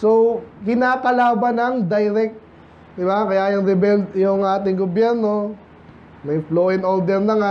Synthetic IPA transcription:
sokɪnaːkɐlaːbɐnɐŋd̪ɐjɾɛk̚t̪̚ | d̪ɪbakɐjajʊŋɾɪbɛld̪jʊŋʔaːt̪ɪŋɡʊbjɛɾno̞ | mɐjfloːʔɪnold̪ɛɾlɐŋa

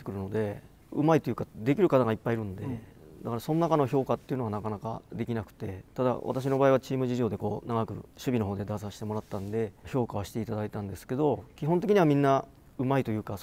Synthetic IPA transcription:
e̥kɯ̟ɾɯno̞d̪e̞ | ɯ̟mait̪o̞jɯːkad̪e̞kʲiɾɯ̟kat̪aɡaipːaiɾɯ̟̃nd̪e | d̪akaɾaso̞nonakano̞ço̞ːkat̪ːe̞jɯ̟no̞ɡanakanaka̰d̪e̞kʲinakɯ̟̥t̪e̞t̪ad̪a̰βʔa̰t̪aɕ̬ino̞baːiβ̞at͡ɕiːmɯ̟ʑiʑo̞ːd̪e̞ko̞ːnaɡakɯ̟̰ɕɨbʲino̞ɦoːd̪e̞d̪as̬aɕi̥t̪emo̞ɾat̪ːãnd̪e̞ço̞ːkaβaɕi̥t̪e̞it̪ad̪ait̪ãnd̪e̞sɨ̥ke̞d̪o̞kʲiɦont̪̬ekʲiɲ̟iβamʲĩnːa | ɯ̟mait̪o̞jɯ̟ːka

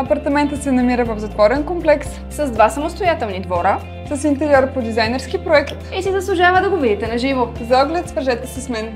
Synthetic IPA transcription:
ɐpɐɾt̪ɐmɛnt̪ət̪sɛnɐmiɾəvɐfzɐt̪vɔɾɛnkomplɛks | sɐzd̪vasɐmost̪ojat̪ɛlˠnid̪vɔɾə | sɐsint̪ɛɾiɔɾpod̪izajnɛɾsk̟ipɾoɛkt̪isizɐslˠʊʒavəd̪ɐɡovid̪it̪ɛnɐʒivozɐɔɡlɛt̪svɾʒɛt̪ɛsɛsmɛn

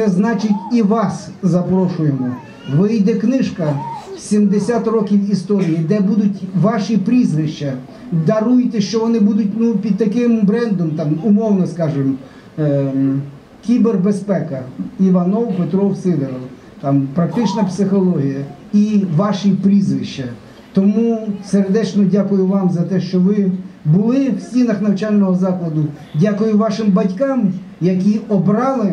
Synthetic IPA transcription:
sɛznɑt͡ʃɪtʲiʋɑszɐpɾɔʃʊjemɔ | ʋɪjd̪ɛknɪʃkɐsʲimd̪esʲat̪rɔkʲiwist̪ɔɾʲijid̪ɛbud̪ʊtʲʋɑʃipɾʲizʋɪʃt͡ʃɐ | d̪ɐɾujt̪ɛʃt͡ʃɔʋɔnɪbud̪ʊt̚ʲnupʲid̪̚t̪ɐkɪmbɾɛnd̪ɔmt̪ɑmʊmɔwnɔskɑʒɪm | kʲiberbespɛkɐiʋɐnɔwpet̪ɾɔwsɪd̪eɾɔw | t̪ɑmpɾɐk̚t̪ɪt͡ʃnɐpsɪxɔlˠɔɦʲijɐ | iʋɑʃipɾʲizʋɪʃt͡ʃɐ | t̪ɔmuserd̪ɛt͡ʃnɔdʲakʊjʊʋɑmzɐt̪ɛʃt͡ʃɔʋɪbʊlˠɪwsʲtʲinɐxnɐwt͡ʃɑlʲnɔɦɔzɑklˠɐd̪ʊ | dʲakʊjʊʋɑʃɪmbɐdʲkɑm | jɐk̬ʲiɔbɾɑlˠɪ

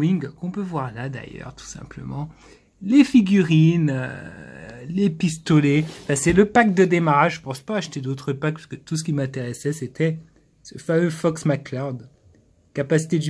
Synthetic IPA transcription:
iŋkɔ̃pøvwaʁlad̪a̰jœ̰ʁt̪ʰu̥sɛ̰̃plə̰mɑ̃ | lefiɡʲyʁinø̰ | lepist̪ɔleɑ̃fɛ̃sɛləpak̚d̪əd̪emaʁaʒʒəpɑ̃spaːʃt̪ed̪ot̪χəpak̚pḁskət̪us̬ə̥kʲimɛ̃t̪eʁɛsɛset̪ʰɛ | səfamøfɔksmaklaʁd̪ | kapasi̥t̪ed̪y

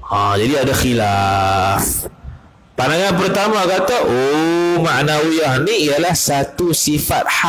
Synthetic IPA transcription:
ãd͡ʒadiadaxila | f | pandaŋanp̬ərt̪amãkat̪aʔomaʔnawiahnĩijalahsat̪usifat̪̚ha

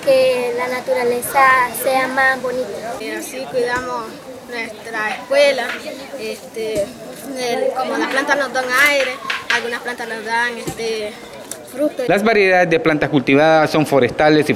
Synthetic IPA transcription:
kelanat̪uɾalesaseamasbo̞nit̪aasikwiðamos | nwest̪ɾaeskwela | est̪e | ekomolaplant̪anozd̪aŋajɾealɡunasplant̪anozd̪aŋest̪e | ɾut̪olazβaɾjeðaðezdðeplant̪akult̪iβaðaso̞ɱfoɾest̪alesi

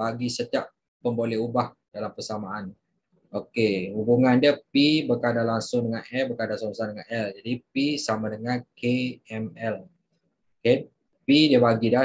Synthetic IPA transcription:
baɡisət̪iaʔ | pəmbolɛubah | dalampərsamaʔan | okehubuŋandiəpibərkadalaŋsʊŋdəŋanɛlbərkadasoŋsandəŋanɛld͡ʒadipisamadəŋankeɛmɛl | oke | pidiəbaɡida

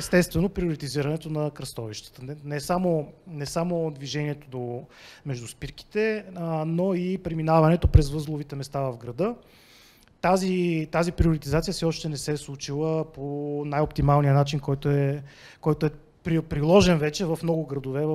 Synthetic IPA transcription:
ɛst̪ɛst̪vɛnopɾioɾit̪iziɾɐnɛt̪onɐkɾɐst̪ɔviʃt̪ə̥t̪ənɛsamonɛsamod̪viʒɛniɛt̪od̪omɛʒd̪uspiɾki̥t̪ɛnoipɾɛminavɐnɛt̪opɾɛzvɤzlˠovit̪ɛmɛst̪avɐvɡɾɐd̪ɤ | t̪azit̪azipɾioɾit̪izat̪sijəsɛɔʃt̪ɛnɛsɛslˠut͡ʃilˠəponajopt̪imalˠnijənat͡ʃinkɔjt̪oɛkɔjt̪oɛ | pɾipɾilˠɔʒɛnvɛt͡ʃɛvɐfmnɔɡʊɡɾɐd̪ovɛv

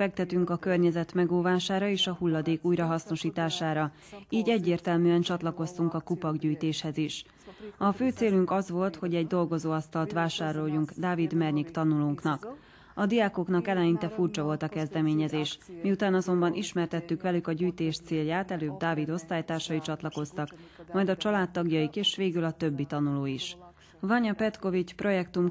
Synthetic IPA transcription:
ɛk̚t̪ɛt̪yŋkɒkørɲɛzɛt̪mɛɡoːvaːʃaːɾɒeːʃɒhulːɒd̪eːkuːjɾɒɦɒsno̞ʃiːt̪aːʃaːɾɒ | iːɟɛɟːeːrt̪ɛlmyːɛnt͡ʃɒt̪lɒko̞st̪uŋkɒkupɒɡɟyːjt̪eːʃhɛziʃ | ɒføːt̪seːlyŋkɒzʋo̞lt̪ho̞ɟɛɟd̪o̞lɡo̞zoːɒst̪ɒlt̪ʋaːʃaːɾo̞jːuŋɡd̪aːvid̪mɛrɲikt̪ɒnuluŋknɒk | ɒd̪ijaːko̞knɒkɛlɛjint̪ɛfurt͡ʃɒvo̞lt̪ɒkɛzd̪ɛmeːɲɛzeːʃmiut̪aːnɒzo̞mbɒnʔiʃmɛrt̪ɛt̪ːykʋɛlykɒɟyːjt̪eːʃt̪seːljaːt̪ɛløːb̚d̪aːvid̪o̞st̪aːjt̪aːrʃɒit͡ʃɒt̪lɒko̞st̪ɒkmɒjd̪ɒt͡ʃɒlaːt̪ːɒɡjɒjikeːʃʋeːɡylɒt̪ø̞bːit̪ɒnuloːiʃ | vɒɲɒpɛt̪ko̞vit͡ʃpro̞jɛkt̪um

